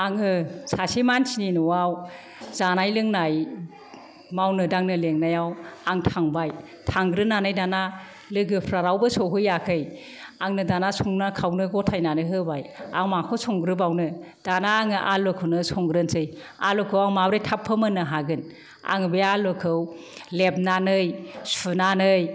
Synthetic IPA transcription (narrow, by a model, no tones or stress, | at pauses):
aŋɯsasimansininuwaw | zanajlɯŋnaj | mawnɯdaŋnɯleŋnajawaŋtʰaŋbaj | tʰaŋɡɾɯnːanajdana | lɯɡɯpʰɾaɾawbɯsɔɦɯjakʰɯj | aŋnɯdanasɔŋnakʰawnɯɡɔtʰajnanɯɦɯbaja̰ŋmakʰɔsʰɔŋɡɾɯbawnɯd̥anaːŋɯʔalɯkʰɯwnɯsɔŋɡɾɯnsɯj | a̰lɔkʰɯwaŋmabɾejtʰapʰːɯmɯnɯɦaɡɯn | a̰ŋbejalɯkʰɯw | leb̚nanɯjsunanɯj